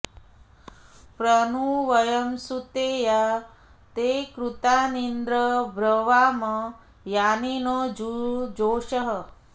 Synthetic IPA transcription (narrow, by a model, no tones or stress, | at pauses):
pɾɐnuʋɐjɐmsut̪eːja | t̪ekɾut̪aːnind̪ɾəbɾɐʋaːmɐ | jaːninod͡ʒud͡ʒoːʃɐɦə